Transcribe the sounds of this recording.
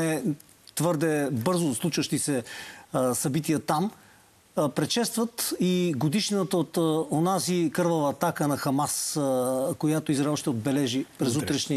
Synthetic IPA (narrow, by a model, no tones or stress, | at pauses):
ɛ | t̪vɤɾd̪ɛbɤɾzʊslˠut͡ʃvəʃt̪isɛ | sɐbit̪iət̪am | pɾɛt͡ʃɛst̪vɐt̪iɡod̪iʃnət̪əot̪onazikɤɾvəvɐːt̪akənɐxɐmas | kojat̪oizɾɛlˠʃt̪ɛod̪̚bɛlɛʒipɾɛzut̪ɾɛʃni